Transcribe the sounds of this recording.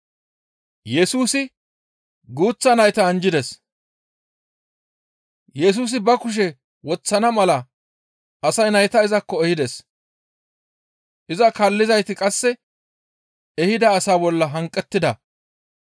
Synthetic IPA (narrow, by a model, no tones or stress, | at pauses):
jɛsuːsɪ | ɡuːt͡sːɐnɐjt̪ɐːnd͡ʒɪd̪ɛs | jɛs̬uːs̬ɪbɐkʊʃ̬ɛ | wɔt͡sːɐnɐmɐlɐ | ʔɐsɐjnɐjt̪ɐɪzɐkːɔɛhɪd̪ɛs | ʔɪzɐkɐlːɪzɐjt̪ɪkʼɐsːɛ | ɛhɪd̪ɐːsaːbɔlːɐɦɐŋkʼːɛt̪ːɪd̪ɐ